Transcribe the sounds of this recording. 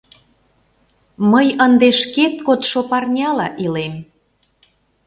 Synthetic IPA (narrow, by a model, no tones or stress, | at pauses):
məjənd̪eʃket̪̚kot̪ʃopɑrnʲɑlɑʔilem